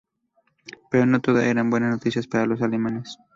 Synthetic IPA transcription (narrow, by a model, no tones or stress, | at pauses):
peɾono̞t̪o̞ðaʔeɾambwe̞nasnot̪isjaspaɾalo̞salemanes